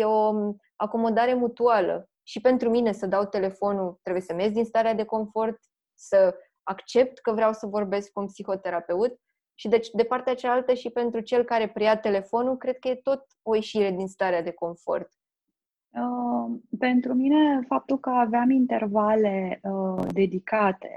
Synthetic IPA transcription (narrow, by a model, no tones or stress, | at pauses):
jeo̞ | ako̞mo̞d̪aɾe̞mut̪ualə̰ | ʃipe̞nt̪ɾumine̞səd̪awt̪e̞le̞fo̞nut̪ɾebujesəme̞zʲd̪inst̪aɾead̪e̞ko̞ɱfo̞rt̪̚ | sə | akt͡ʃe̞p̚t̪kəvɾeawsəvo̞rbe̞sk̚kunpsixo̞t̪e̞ɾape̞ut̪̚ | ʃid̪et͡ʃd̪e̞part̪eat͡ʃalalt̪əʃipe̞nt̪ɾut͡ʃe̞lkaɾe̞pɾiat̪e̞le̞fo̞nukɾe̞d̪̚kəje̞t̪o̞t̪̚ | o̞jeʃiɾe̞d̪inst̪aɾead̪e̞ko̞ɱfo̞̰rt̪ | əpe̞nt̪ɾumine̞fap̚t̪ulkəaveamint̪e̞rvale̞əd̪e̞d̪ikat̪ḛ